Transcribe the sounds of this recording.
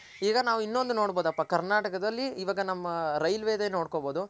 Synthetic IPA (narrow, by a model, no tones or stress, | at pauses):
iːɡɐnaːʋuinːo̞nd̪uno̞ːɽbo̞ːd̪ɐpːɐkɐɾnaːʈɐkɐd̪ɐlːiːʋaːɡɐnɐmːɐɾɐjlʋeːd̪eːno̞ːɽkoboːd̪u